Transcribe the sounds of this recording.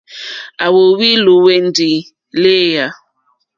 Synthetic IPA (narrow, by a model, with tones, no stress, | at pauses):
a˨wo˨wi˦lu˨we˦n̩˦di˨ | le˦ja˦